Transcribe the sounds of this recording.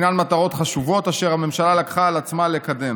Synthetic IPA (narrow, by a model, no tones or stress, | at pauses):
nanmat̪aʁo̞t̪χaʃuvo̞taʃe̞ʁhame̞mʃalalakχaːlat͡smalekad̪e̞m